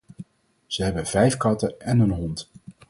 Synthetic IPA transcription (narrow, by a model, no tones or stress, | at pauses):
z̥əɦɛbənvɛjfkɑtəɛnɵnɦɔnt